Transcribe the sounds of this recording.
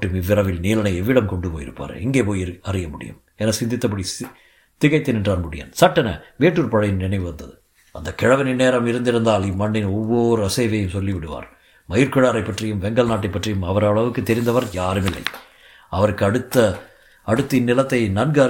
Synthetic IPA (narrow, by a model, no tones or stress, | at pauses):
ʈːɯmɪʋːɪɾɐʋɪlniːlɐnɐɪɛʋːɪɽɐmkɔɳɖɯpoːjɪ̰ɾɯ̰pːa̰ːɾ̰ɪŋɡeːpoːjɪɐrɪjɐmʊɽɪ̰jɐ̰m | ɛnɐsɪnd̪ɪt̪ːɐpːɐɽi | t̪ɪɣɐɪt̪ːɪnɪʈraːɾmʊɽɪjɐ̰nsɐʈːɐnɐ̰ʋeːʈːɯɾpɐɻɐjɯnnɪɳɐɪʋɯʋɐnd̪ɐðɯ | ɐnd̪ɐkɪɻɐʋɐnɪnːeːɾɐmɪɾɯnd̪ɪɾɯnd̪aːlɪmːɐɳːɪnɔʋːoːɾɯɐsɐɪʋɐjɯmsɔlːiʋɪɽɯʋa̰ːɾ | mɐjɪɾkɯɻaːɾɐɪpːɐʈrɪjɯmʋɛŋɡɐlnaːʈ̬ːɐɪpːɐʈrijɯmɐʋɐɾɐɭɐʋɯkːɯt̪ːɛɾɪnd̪ɐʋɐɾjaːɾɯmɪlːɐ̰ɪ | ɐʋɐɾɯkːɯɐɽɯt̪ːɐ | ɐɽɯt̪ːɯnːɪlɐt̪ːɐɪnɐnɡɐ